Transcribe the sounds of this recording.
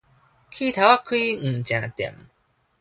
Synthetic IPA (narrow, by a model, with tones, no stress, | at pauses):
kʰi˦t̪ʰa˨wa˦kʰɯ˦i˦ŋ̩˨t͡ɕã˨t̪ḛ˨m